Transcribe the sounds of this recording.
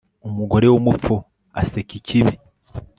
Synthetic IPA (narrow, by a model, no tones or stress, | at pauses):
omuɡo̞ɾe̞womup̪p͡fo | a̰seciciβi